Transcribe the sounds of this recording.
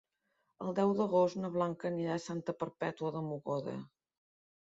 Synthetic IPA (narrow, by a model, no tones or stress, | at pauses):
əlˠd̪ɛwd̪əɣost̪nəβlaŋkəniɾasant̪əpəɾpɛt̪uəðəmuɣoðə̰